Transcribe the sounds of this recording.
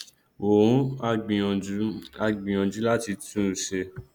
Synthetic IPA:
o˨ɾũ˨˦a˧ɡ͡bĩ˨˦a˧ɡ͡bĩ˨ɔ̃˨d͡ʒu˨˦la˦ti˧tũ˦˨ʃe˧

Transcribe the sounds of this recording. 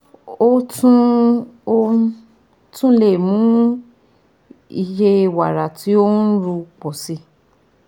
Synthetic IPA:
o˦tũ˦o˦ | tũ˦le˦˨mũ˨˦ | i˧je˦˧wa˨ɾa˨ti˨˦o˦n̩˦ɾu˧k͡pɔ˨si˧

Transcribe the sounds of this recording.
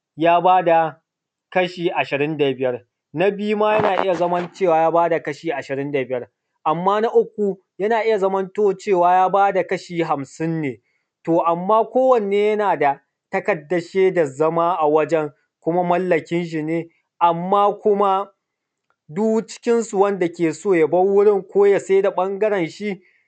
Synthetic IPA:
jaː˦baː˦da˨ | kɐ˦ʃiː˨ʔa˨ʃɪ˨ɾɪ˦nda˨bɪ˦jɐ˦r | na˦bɪ˦ju˦maː˦jɐ˦naː˨ʔɪ̰˦ja˨zɐ˦mɐ˦nt͡ʃeː˦˨waː˨jaː˦baː˦da˨kɐ˦ʃiː˨ʔa˨ʃɪ˨ɾɪ˦nda˨bɪ˦jɐ˦r | ʔa˨mːaː˦na˦ʔʊ˦k̚ʷːu˨ | jɐ˦naː˨ʔɪ˦ja˨zɐ˦mɐ˦ntoː˦t͡ʃeː˦˨waː˦jaː˦baː˦da˨kɐ˦ʃiː˨ɦa˨msɪ˦nːeː˨ | toː˨ʔa˨mːaː˦kʷoː˦wɐ˨nː˨eː˦jɐ˦naː˨da˨ | tɐ˦kɐ˨dːɐ˨ʃeː˦da˨zɐ˦maː˦ʔa˨wɐ˦d͡ʒɛ˦ŋ | kʷʊ˦ma˦mɐ˦lːɐ˨kʲɪ˦nʒɪ˨neː˦ | ʔa˨mːaː˦kʷʊ˦ma˦ | du˦t͡ʃɪ̥˦kʲɪ˦nsu˨wɐ˦nda˨kʲeː˨soː˦˨jɐ˨bɐ˦ŋwʊ˦ɽɪ˦ŋkʷoː˦ja˨se˦da˨ɓɐ˦ŋɡɐ˦ɾɛ˨nʃi˦

